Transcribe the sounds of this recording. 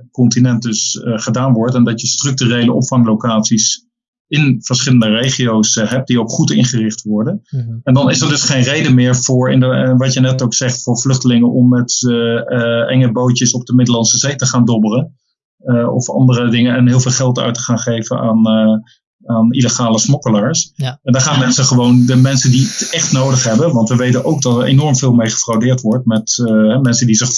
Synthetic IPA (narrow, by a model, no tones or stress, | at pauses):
kɔntinɛnt̚dɵsχədaːnʋɔɹtɛndɑtjəstrɵk̚tyrejləʔɔpfɑŋlokaːtsis | ɪnv̥əɹsχɪləndərejχiowsɦɛp̚d̥iowkχutɪ̰nχərɪχtʋɔɹdənɛndɑnɪsəɹdɵsχejnrejdəmɪːɹvʊːɹɪ̰ndəʋɑtjənɛtowksɛχtfʊːɹvlɵχtəlɪŋənʔɔmːɛt | ʔɛ̰ŋəbowtəsɔb̚dəmɪdəlɑnsəzejtəχaːndɔbələn | ɔ̰fɑ̰ndərədɪŋənɛnɦɪːlˠveːlˠχɛlˠtœ̰ɥtə̥χaːnχejvəna̰ːn | aːniləχaːləsmɔkəlaːɹsɛndaɹχaːnɛsəχəʋowndəmɛnsəndiətɛχtnowdəχɦɛbənʋɑntʋəʋejtənowɡ̚dɑtəɹḛnɔɹmvɪːlˠmejχə̥frawdɪːɹtʋɔɹtmɛtɦɛmɛnsəndizɪχ